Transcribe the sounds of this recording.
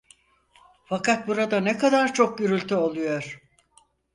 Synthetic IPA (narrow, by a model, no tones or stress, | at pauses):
fakat̪̚buɾad̪anekʰad̪aɾt͡ʃʰo̞k̚ɟyɾylʲt̪ʰyolˠujoɾ̥